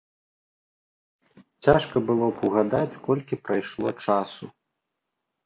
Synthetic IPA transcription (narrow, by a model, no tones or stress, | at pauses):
t͡sʲaʂkɐbɨlˠɔpʰuɣad̪at͡sʲkɔlʲkʲipɾajʂlˠɔt͡ʂasu